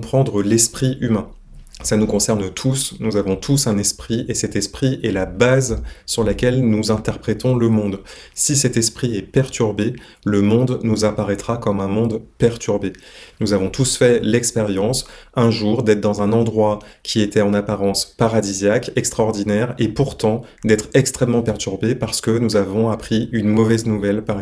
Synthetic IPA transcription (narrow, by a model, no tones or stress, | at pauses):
pχɑ̃d̪ʁəlɛspχiymɛ̃ | sanukɔ̃sɛʁnt̪ʰusnuzavɔ̃t̪ʰusɛ̃nɛspχiesɛt̪ɛspχiʔɛlabazsyʁlakʲɛlnuzɛ̃t̪ɛʁpχɛt̪ɔ̃ləmɔ̃d̪ | sisɛt̪ɛspχiɛpɛʁt̪ʰyʁbe | ləmɔ̃d̪nuzapaʁɛt̪χakɔmɛ̃mɔ̃d̪pɛʁt̪yʁbenuzavɔ̃t̪usfɛlɛkspeʁjɑ̃sɛ̃ʒuʁd̪ɛt̪d̪ɑ̃zɛ̃nɑ̃d̪ʁwakʲʰiet̪ɛɑ̃napaʁɑ̃spaʁad̪izjakɛkst̪χaɔʁd̪inɛʁepuʁt̪ɑ̃ | d̪ɛt̪χɛkst̪χɛmːɑ̃pɛʁt̪yʁbepaʁsə̥kənuzavɔ̃apχiynmɔvɛznuvɛlpaʁ